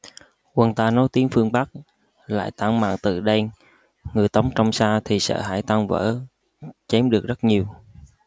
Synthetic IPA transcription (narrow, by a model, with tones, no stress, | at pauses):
kwə˨˧˩nt̪aː˧nɔ˨˦jt̪i˨˦əŋfɨ˧əŋɓa˦˥k̚ | la̰ː˧˨jt̪aː˧˩ŋma̰ː˧˨nt̪ɨ˨˩ɗa˧ | ŋɨ˨˩əjt̪ə˨˦wŋ͡mt͡ɕɔ˧wŋ͡msaː˧t̪ʰi˨˩sə̰ː˧˥ɦa̰ː˧˩jt̪a˧ŋvə̰ː˧˥ | t͡ɕe˨˦mɗɨ˨˩ək̚zə˦˥ɲi˨˩əw